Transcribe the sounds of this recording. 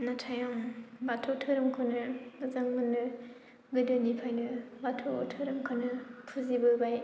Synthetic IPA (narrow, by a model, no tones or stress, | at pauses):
natʰajɔŋbatʰɔtʰɯɾɯmkʰonɯɯzaŋmɯnɯ | ɡɯdɯnipʰajnɯbatʰo̰tʰɯɾɯmkʰɯnɯpʰuzibɯbaj